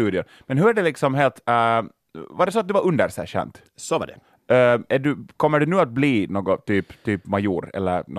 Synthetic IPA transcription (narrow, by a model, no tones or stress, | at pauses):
t̪ʉːd̪ɪʊn | mɛnɦɵɾæɖɛlɪksɔmɦeːlt̪ | vaɖɛsɔat̪̚d̪ɵvaɾɵnd̪əɾsɛ̰ɕɛ̰nt̪ | sɔa̰dɛ̰ | æɖʉkʰɔmːəɖɵnʉːat̪̚bliːnoːɡɔt̪yːpt̪ʰyːpmajuːɾɛ̰lːəɾn